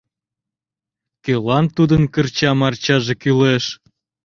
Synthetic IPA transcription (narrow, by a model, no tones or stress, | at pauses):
kelɑnt̪ud̪ənkərt͡ɕɑmɑrt͡ɕɑʒekyleʃ